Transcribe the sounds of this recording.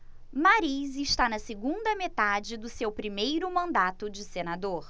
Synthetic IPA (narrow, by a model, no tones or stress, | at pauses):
maɾizɪʃt̪anɐsɪɡũnd̪ɐmet̪ad͡ʒɪd̪ʊsewpɾimejɾʊmɐ̃nd̪at̪ʊd͡ʒɪsenad̪oɾ